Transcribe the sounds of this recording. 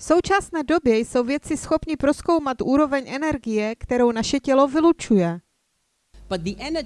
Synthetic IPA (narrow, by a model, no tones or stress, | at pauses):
fso̞wt͡ʃasnɛːdo̞bjɛjso̞wvjɛt͡sɪsxo̞pɲɪpɾo̞sko̞wmat̪ʔuːɾo̞vɛɲʔɛnɛɾɡɪjɛkt̪ɛɾo̞wnaʃɛcɛlo̞vɪlut͡ʃujɛ | b̥ʌt̪̚ðiʔɛnə